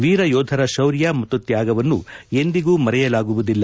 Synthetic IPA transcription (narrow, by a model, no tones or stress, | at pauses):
ʋiːɾɐjɔːd̪ʱɐɾɐʃɐwɾjaːmɐt̪ːut̪jaːɡɐʋɐnːṵe̞nd̪iɡuːmɐɾɛjɐlaːɡuʋud̪ilːɐ